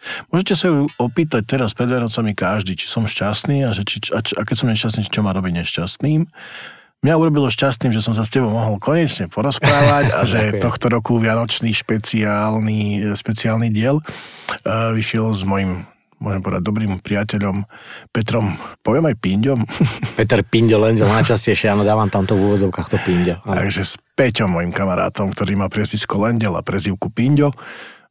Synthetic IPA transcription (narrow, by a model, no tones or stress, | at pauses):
mʊɔʒɛcɛsajuɔpiːt̪ac̚t̪ɛɾaspɾɛd̪ʋjanɔt͡samikaʒd̪it͡ʃi̥sɔmʃcast̪niːaʒɛt͡ʃit͡ʃat͡ʃakɛcsɔmɲɛʃcas̬t̪niːʒɛt͡ʃɔmaːɾɔbiɟɲɛʃcast̪niːm | mɲauɾɔbilɔʃcast̪niːmʒɛsɔms̬ascɛbɔʊmɔɦɔlkɔɲɛt͡ʃɲɛpɔɾɔspɾaːʋaca̰ʒɛt̪ɔxt̪ɔɾɔkuʋɪanɔt͡ʃniːʃpɛt͡sialniʃpɛt͡siaːlniːɟɪɛl | ʋiʃɪɛlzmɔjim | mʊɔ̰ʒɛmpɔʋɛd̪aɟ̚d̪ɔbɾiːmpɾiacɛʎɔmpɛt̪ɾɔmpɔʋɪɛmajpiɲɟɔmpɛt̪ɛɾpiɲɟɔlɛɲɟɛlnajt͡ʃascɛjʃɛaːnɔd̪aːʋamt̪amt̪ɔuːʋɔd͡zɔʊkaxt̪ɔpiɲɟɔa̰ɡʒɛspɛcɔmːɔjimkamaɾa̰ːt̪ɔmkt̪ɔɾiːmaːpɾɛziskɔlɛnɟɛla̰pɾɛziʊkupiɲɟɔ